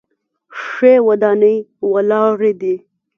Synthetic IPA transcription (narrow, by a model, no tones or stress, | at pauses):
ʂewad̪ɑnəjwalɑɾed̪i